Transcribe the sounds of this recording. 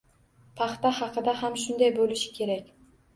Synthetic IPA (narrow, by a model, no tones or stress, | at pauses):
p̪ʰɑχt̪ahɑqɨd̪ahamʃʊnd̪ajbolɪʃɪ̥kʲʰe̞ɾakʲ